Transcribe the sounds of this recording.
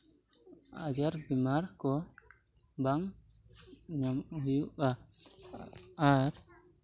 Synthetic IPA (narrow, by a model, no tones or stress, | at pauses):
ad͡ʒaɾbimaɾkɔ | baŋ | ɲamhujuʔa | aɾ